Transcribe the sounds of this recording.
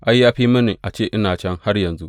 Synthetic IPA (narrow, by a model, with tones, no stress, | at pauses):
ʔa˦jːaː˦ɸiː˦mɐ˦ni˨ʔa˨t͡ʃeː˦ʔɪ˦naː˨t͡ʃɐ˦ŋha˦rjɐ˨nzu˦ʔ